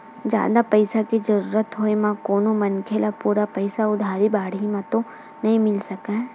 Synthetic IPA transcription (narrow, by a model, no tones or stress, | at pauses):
d͡ʒja̰ːd̪apɐɪsakid͡ʒɐɾuːɾət̪ɦoemãkoːnõmɐnkʰelapuːɾapɐɪsaʊd̪ʱaːɾibaːɽ̤imãt̪o | nɐɦĩmɪlsɐkaɦɛ